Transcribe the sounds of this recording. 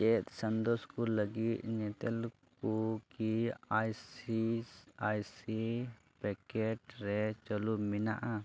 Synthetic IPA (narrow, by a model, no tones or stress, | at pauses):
t͡ʃɛt̪sənd̪ɔskɔləɡit̪̚ɲɛt̪ɛlkukiajiajsi | pɛkɛʈɾɛt͡ʃɔlumina̰ʔa